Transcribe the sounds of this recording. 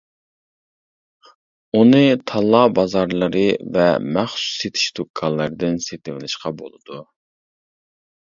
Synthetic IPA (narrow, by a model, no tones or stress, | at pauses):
unɨt̪ʰɑlˠːɑːbɑzɑɾlˠɨɾɨvɛmæχsu̥set̪ʰi̥ʃt̪ʰokʰːɑlˠːɨɾd̪ɪnset̪ɪmɪlɪʃqɑbo̰lˠɨd̪u